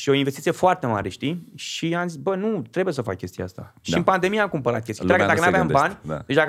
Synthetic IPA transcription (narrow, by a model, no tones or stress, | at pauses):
ʃio̞invest̪it̪ijefoart̪e̞ma̰ɾeʃt̪iʃiamzisbənut̪ɾebujesəfa̰kkʲe̞st̪ijḛast̪a̰ʃiɨmpand̪e̞mijamkumpəɾa̰t̪̚kʲest̪j̪ɾakd̪akənavʲejambanʲd̪et͡ʃd̪a